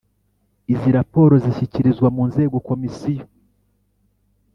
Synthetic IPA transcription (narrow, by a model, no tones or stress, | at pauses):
iziɾapo̞ːɾo̞ziçiciɾizɡwamuːnze̞ːɡoko̞misijo